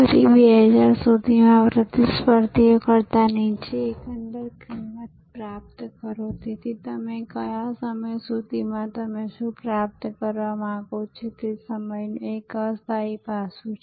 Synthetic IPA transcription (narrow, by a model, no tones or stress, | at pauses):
kəɾibeɦəd͡ʒaɾsud̪ʱimãpɾət̪ɪspəɾt̪ijokəɾt̪anəĩt͡ʃʰeːkə̃nd̪əɾkʰɪmːət̪̚pɾap̚t̪kəɾot̪it̪ʰit̪əmekəjasəməjsud̪ʱimãt̪əmeʃũpɾap̚t̪kəɾʋamãaɡot͡ʃʰet̪esəməjnekəst̪ʰaipasũt͡ʃʰe